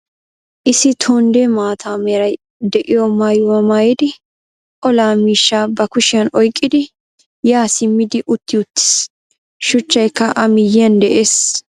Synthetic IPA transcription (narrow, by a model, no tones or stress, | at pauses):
ʔɪsɪt̪ʰoːnd̪emaːt̪ʰaːmɛɾɐj | d̪ɛʔɪjɔmaːjwɐmaːjɛd̪ɪ | kɔlaːmiːʃːaːbɐkʊʃɪjɐnɔjkʼːɪd̪ɪ | jaːsɪmːɪd̪ɪʔʊt̪ːɪʊt̪ːɪ̥s | ʃʊt͡ʃːɐjkːɐʔɐmɪjɪɐnd̪ɛʔeːs